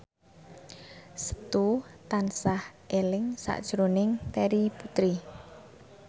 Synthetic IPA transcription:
sə̥t̪ut̪ansahʔelɪŋsa̰ʔd̥ʒ̥ɾonɪŋt̪eɾiput̪ɾi

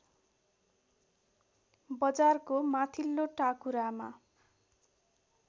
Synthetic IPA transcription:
bʌd͡zarkomat̪ʰilːoʈakuɾama̰

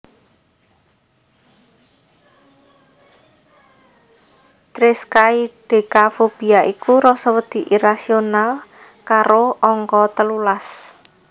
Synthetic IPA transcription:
t̪ɾɪskaid̪̥e̤kafob̥i̤aʔikuɾɔsɔwəd̪̥i̤ʔiɾasional | kaɾoɔŋkɔt̪əlulas

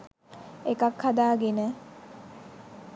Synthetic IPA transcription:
ekakhad̪aːɡenə

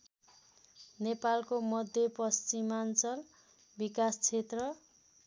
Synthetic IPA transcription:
nepalkomʌd̪ʱjʌpʌst͡simant͡sʌl | bikast͡sʰet̪rʌ

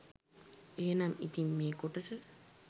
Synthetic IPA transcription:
eːnamḭt̪imːeːkoʈɐsɨ

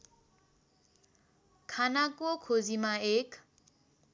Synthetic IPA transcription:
kʰanakuokʰozimaekʰ

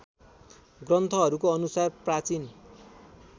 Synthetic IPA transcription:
ɡrʌnt̪ʰʌɦʌɾukoʌnusarprat͡sin

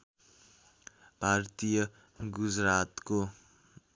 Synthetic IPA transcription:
b̥ʱart̪ijʌ | ɡud͡zɾat̪ko

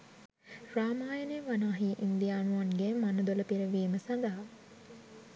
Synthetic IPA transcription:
raːmaːjəneʋanaːɦiːʔind̪ijaːnuʋanɡemanəd̪oləpiɾəʋiːməsand̪aɦa

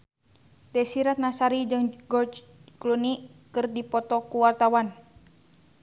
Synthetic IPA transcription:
dɛsiɾat̪̚nasaɾid͡ʒɨŋɡɔt͡ʃ | klunikɨrdipɔt̪ɔkuwart̪awan

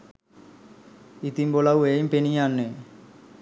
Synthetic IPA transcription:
it̪imbolawejmpenijanːe

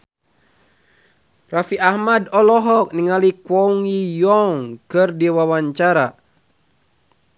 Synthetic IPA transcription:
rafiahmadɔlɔɦɔk̚niŋalikwɔuŋijɔŋkɨrdiwawaɲt͡ʃaɾa

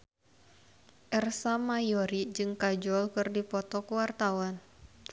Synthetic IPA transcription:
ʔɛrsamajɔɾid͡ʒɨŋkad͡ʒɔlkɨrdipɔt̪ɔkuwart̪awan

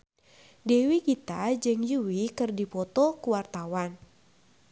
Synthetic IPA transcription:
dewikit̪ad͡ʒɨŋjuwikɨrdipɔt̪ɔkuwart̪awan

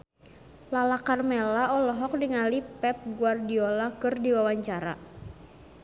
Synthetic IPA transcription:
lalakarmelaʔɔlɔɦɔk̚diŋalipɛp̚ɡuardiɔlakɨrdiwawaɲt͡ʃaɾa̰

